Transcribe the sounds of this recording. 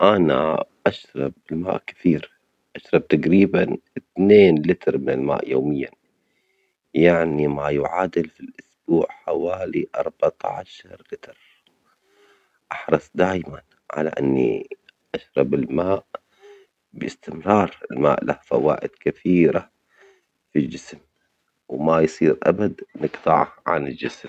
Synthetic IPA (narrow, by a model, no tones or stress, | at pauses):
ʔana̰ʔaʃɾˤɑb̚ɪlma̰ːʔkɪ̥θiːɾ | ʔaʃɾˤɑb̚t̪aɡɾiːbanɪt̪neːnlɪt̪ɾˤmɪnɪlma̰ːʔjoːmɪjːa̰ | jaʕnimajʊʕaːd̪ɪlfilʔʊsb̥uːʕħawaːliʔɑ̰ɾˤbat̪aʕaʃɑɾˤlɪt̪ɾ | ʔɑħɾˤɑsˤd̪aːjman | ʕa̰la̰ʔɪ̰nːḭʔaʃɾˤɑbɪlmaːʔ | bɪst̪ɪmɾˤɑːɾˤɪlma̰ːʔlahfa̰wa̰ːʔɪd̪kɪθiːɾa | fild͡ʒɪsm | wmajsˤiːɾʔa̰bad̪nɨqt̪ˤɑʕʕa̰nɪld͡ʒɪsm